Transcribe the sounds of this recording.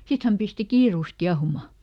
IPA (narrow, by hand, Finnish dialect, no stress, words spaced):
sit hæm pisti kiːruˑs kiɑhumɑ